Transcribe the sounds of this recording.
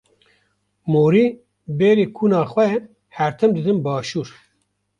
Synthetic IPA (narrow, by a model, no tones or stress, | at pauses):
moːɾiː | beːɾeːkʰuːnɑːxwɛ | hɛɾt̪ʰɨmd̪ɨd̪ɨnbɑːʃuːɾ